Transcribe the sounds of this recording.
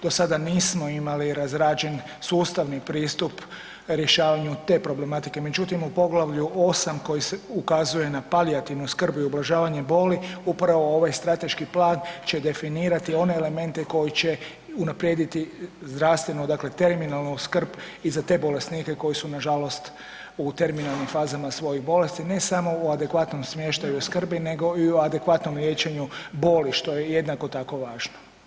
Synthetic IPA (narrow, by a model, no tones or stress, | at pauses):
d̪̥o̞sad̪aniːsmoimaliɾazɾaːd͡ʒe̞n | suːst̪aʋnipɾiːst̪up | ɾje̞ʃaːʋaɲut̪e̞ːpɾo̞ble̞mat̪ike̞me̞d͡ʒut̪imupo̞ɡlˠaʋʎuo̞samko̞jiseukazuje̞napaliat̪iʋnuskr̩buiublˠaʒaːʋaɲe̞bo̞ːliupɾaʋo̞o̞ʋajst̪ɾat̪e̞ʃkiplaːnt͡ɕe̞d̪e̞finiːɾat̪io̞ne̞ːle̞me̞nt̪e̞ko̞jit͡ɕe̞ | unapɾje̞d̪it̪izd̪ɾaʋst̪ʋe̞nud̪aːkle̞t̪e̞ɾminalˠnuskr̩bizat̪e̞ːbo̞le̞snikeko̞jisunaʒalo̞st̪ | ut̪e̞ɾminalˠnimfaːzamasʋo̞jiɣbo̞le̞st̪ine̞samo̞oad̪e̞kʋat̪no̞msmje̞ʃt̪ajuskr̩bine̞ɡo̞ioad̪e̞kʋat̪no̞mlʲje̞ːt͡ɕe̞ɲubo̞ːliʃt̪o̞je̞je̞d̪nako̞t̪ako̞ʋaːʒno